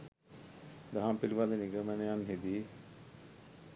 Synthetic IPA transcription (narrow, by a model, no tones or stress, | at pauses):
d̪aɦãːmpiɾʋaːd̪eniɡəmɛ̃ːneanɦed̪iː